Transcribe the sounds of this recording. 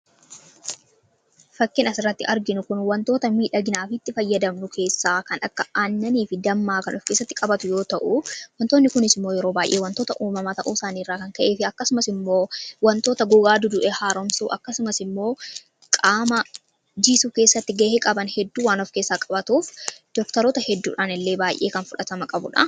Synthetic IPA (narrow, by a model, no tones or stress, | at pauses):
fɐkːɪnɐsɪrːɐt̪ːɪʔɐɾɡɪnʊkʊnwɐnt̪o̞ːt̪ɐmiːᶑɐɡɪnaːfɪt̪ːɪfɐjːɐd̪ɐmnʊkʰe̞ːsːaːkɐnʔɐkːɐaːnːɐniːfɪd̪ɐmːaːkɐnɔfkeːsːɐt̪ːɪkʼɐbɐt̪ʊjo̞ːt̪ɐʔʊwɐnt̪oːnːɪkʊnɪsɪmːo̞ːjɛɾo̞ːbaːjʔeːwɐnt̪oːt̪ɐʔuːmɐmɐt̪ɐ̰ʔuːsaːniːrːaːkɐŋkɐʔeːfɪɐkːɐsʊmɐsɪmːoːwɐnt̪o̞ːt̪ɐɡʊɡaːd̪ʊd̪ʊʔɛhaːɾɔmsuːʔɐkːɐsʊmɐsɪmːo̞ː | kʼaːmɐ | d͡ʒisuːke̞ːsːɐt̪ːɪɡɐʔeːkʼɐbɐnhɛd̪ːuːwaːnɔfke̞ːsːaːkʼɐbɐt̪uːfd̪̥ɔkt̪ɐɾoːt̪ɐhɛd̪ːṵːᶑaːnɪlːe̞ːbaːjʔe̞̰ːkɐnfʊᶑɐt̪ɐmɐkʼɐbʊ̰ᶑɐ̰